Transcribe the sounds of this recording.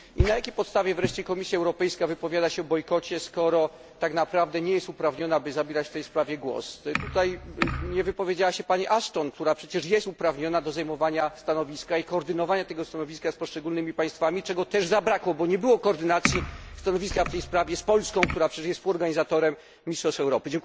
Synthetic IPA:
inajakʲejpɔt̪st̪avʲjɛvɾɛʂt͡ɕɛkɔmʲisʲjaɛwɾɔpɛjskavɘpɔvʲjad̪aɕɛɔbɔjkɔt͡ɕɛskɔɾɔ | t̪aknapɾavd̪ɛɲɛjɛst̪upɾavɲɔnabɘzabʲeɛɾat͡ɕft̪ɛjspɾavʲjɛɡwɔ̰st̪ut̪ajɲɛvɘpɔvʲjed͡ʑawaɕɛpaɲiʔaʂtɔnk̚t̪uɾapʂɛt͡ɕɛʂjɛst̪upɾavɲɔnad̪ɔzajmɔvaɲast̪anɔvʲiskaikɔːɾd̪ɘnɔvaɲat̪ɛɡɔst̪anɔvʲiskaspɔʂt͡ʂɛɡulnɘmʲipaj̃st̪famʲit͡ʂɛɡɔt̪ɛʐzabɾakwɔbɔɲɛbɘwɔkɔːɾd̪ɘnat̪sʲjist̪anɔvʲiskaft̪ɛjspɾavʲjɛspɔlskɔ̃w̃k̚t̪uɾapʂɛɛʂjɛst̪fuɔɾɡaɲizat̪ɔɾɛmʲː | ist̪ʂɔsɛwɾɔpɘd͡ʑɛŋk

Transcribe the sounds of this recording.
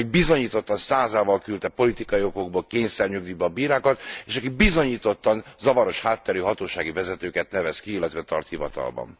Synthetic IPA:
ibizo̞ɲiːt̪o̞t̪ːɒnsaːzaːvɒlkylt̪ɛpo̞lit̪ikɒio̞ko̞ɡ̚bolkeːɲsɛrɲøɡ̚d̪ybɛɒbiːɾaːkɒt̪eːʃɒkik̚bizo̞ɲiːt̪o̞t̪ːɒnzɒvɒɾo̞ʃhaːt̪ːɛɾyːɦɒt̪oːʃaːɡivɛzɛt̪øːkɛt̪̚nɛvɛskiilːɛt̪ʋɛt̪ɒrt̪hivɒ̰t̪ɒ̰lbɒ̰n

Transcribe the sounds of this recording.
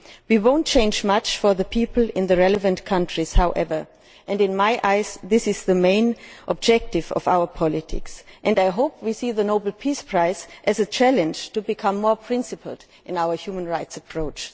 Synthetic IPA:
wiwõʊ̃nt̚t͡ʃʰẽɪ̃nd͡ʒmat͡ʃfə˞ðɨpʰipl̩ˠɪ̃nðɨɹɛlɨvɨ̃ntkʰʌ̃ntʰɹ̥iz̥haʊʔɛvə˞ | ʔɨ̃ndɨ̃nmaɪʔaɪzðɪsɨzðɨmẽɪ̃nʔɔ̰b̚d͡ʒɛk̚tɨvʌ̰vaʊə˞pʰɑlɪtʰɪ̰ksʔɨ̃ndaɪɦoʊp̚ʰwisiðənoʊbl̩ˠpʰispʰɹ̥aɪsʔɨzɨt͡ʃʰælɨ̃nd͡ʒ̥tubɨkʰʌ̃mːɔɹpʰɹ̥ɪ̃nsɨpʰl̩ˠ | ʔɨ̃naʊə˞hjumə̃nɹaɪtsəpʰɹ̥oʊt͡ʃ

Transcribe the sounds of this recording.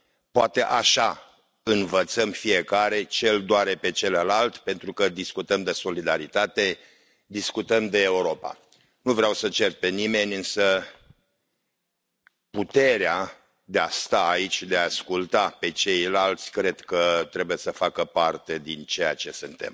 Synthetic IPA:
poat̪e̞ʔaʃa | ɨnvət̪səmfije̞kaɾe̞t͡ʃe̞ld̪oaɾe̞pe̞t͡ʃe̞ləlalt̪pe̞nt̪ɾukəd̪iskut̪əmd̪eso̞lid̪aɾit̪at̪e̞ | d̪iskut̪əmd̪eːuɾo̞pa̰ | nuvɾeawsət͡ʃe̞rpe̞nime̞nʲɨnsə | put̪e̞ɾea | d̪east̪aːit͡ʃʲd̪eaːskult̪ape̞t͡ʃe̞jlalt̪sʲkɾe̞d̪kət̪ɾe̞buje̞səfakəpart̪e̞d̪int͡ʃe̞jat͡ʃe̞sɨnt̪e̞̰m

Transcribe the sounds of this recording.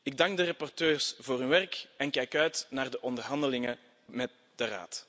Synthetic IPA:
ɪɡ̚dɑŋɡ̚dərɑpɔrtøːrsvoːryːʋɛrkɛnkɛjkœɥtnaːrdəʔɔndərɦɑndəlɪŋə | mɛt̚ | d̥əra̰ːt

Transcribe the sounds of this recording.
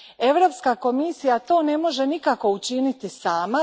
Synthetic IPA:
e̞ʋɾo̞pskako̞misijat̪o̞ːne̞mo̞ʒe̞nikako̞ut͡ʃinit̪isaːma

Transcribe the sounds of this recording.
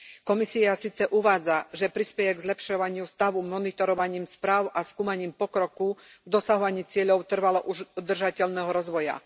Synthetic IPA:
kɔmisiasiːt͡sɛʔuʋaːd͡zaʒɛpɾispɛjɛɡzlɛpʃɔʋaɲɪust̪aʋumɔnit̪ɔɾɔʋaɲiːmspɾaːʊʔaskuːmaɲiːmpɔkɾɔkuɡd̪ɔsaɦɔʋaɲiːt͡sɪɛʎɔʊt̪r̩ʋalɔʔuʒud̪r̩ʒacɛʎnɛɦɔɾɔzʋɔja̰

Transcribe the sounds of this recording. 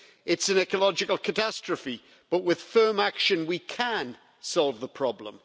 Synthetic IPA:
ɪtsə̃nɛkəlɒd͡ʒɪkəlˠkʰətʰastɹ̥əfi | b̥ʌʔwɪð̥fɜ˞makʃə̃nwikʰə̃n | sɔlˠvðəpʰɹ̥ɒblə̰̃m

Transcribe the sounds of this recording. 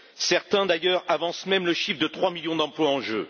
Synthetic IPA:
sɛʁt̪ɛ̃d̪ajœʁavɑ̃smɛmləʃifd̪ət̪χwamiljɔ̃d̪ɑ̃plwaɑ̃ʒø̰

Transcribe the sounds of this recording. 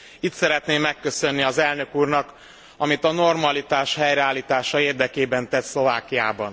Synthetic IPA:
it̪sɛɾɛt̪neːmːɛkːø̞sønːiɒzɛlnø̞kuːrnɒk | ɒmit̪ɒno̞rmɒlit̪aːʃhɛjɾɛaːlːiːt̪aːʃɒeːrd̪ɛkeːbɛnt̪ɛt̪slo̞vaːkijaːbɒn

